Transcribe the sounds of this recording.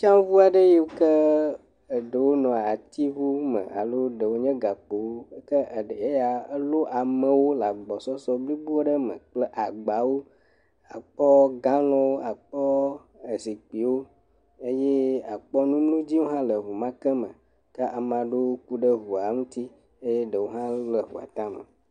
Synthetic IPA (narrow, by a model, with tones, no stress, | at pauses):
t͡ʃã˦vu˦a˨ɖe˦je˦wo˦kə˦ | e˨ɖə˨wo˦nɔ̃˨a˨t̪i˦vu˦mə̰̃˨ʔa̰˨lo˦ɖə˨wo˦ɲɛ̃˦ɡa˨k͡po˨wo˦kə˦˨ɖe˦ja˨e˦lo˦ʔa˨mə̃˨wo˦la˨ɡ͡bɔ˨sɔ˦sɔ˦bli˦bu˦o˦ɖə˦mə̰̃˨k͡ple˦ʔa˨ɡ͡ba˨wo˦ | a˨k͡pɔ˦ɡã˦lɔ̃˦wo˦a˨k͡pɔ˦ | e˨si˨k͡pi˨wo˦ | e˦je˦a˨k͡pɔ˦nũ˦m˦lũ˦d͡ʑi˦wo˦ɦã˦lə˨ɦu˨mã˦kə˦mə̰̃˨ | kə˦ʔa˨mã˨ɖe˦wo˦ku˦ɖə˦ɦu˨a˨ŋũ˦t̪i˦ | e˦je˦ɖə˨wo˦ɦã˦lə˨ɦṵ˨a̰˨t̪ã˦mə̰˨